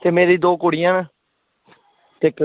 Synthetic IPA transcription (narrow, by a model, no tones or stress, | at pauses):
t̪eːmeːɾiːd̪oːkoːɽijãːnaː | t̪ek